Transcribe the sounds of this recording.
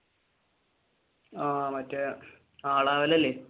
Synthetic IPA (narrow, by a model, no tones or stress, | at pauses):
aːmɐtːɨ | aːɭaːʋɐlɐlːeː